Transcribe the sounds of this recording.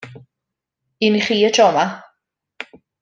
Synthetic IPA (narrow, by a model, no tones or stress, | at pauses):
iniχiːətʰɔma